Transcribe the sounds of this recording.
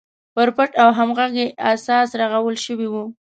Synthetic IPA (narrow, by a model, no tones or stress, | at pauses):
pəɾpəʈawɦamɣaɡeasɑsɾaɣawəlʃəwiwu